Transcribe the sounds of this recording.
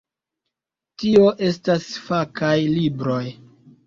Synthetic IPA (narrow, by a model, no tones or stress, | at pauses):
tio̞ʔe̞stasfakajlibɾo̞j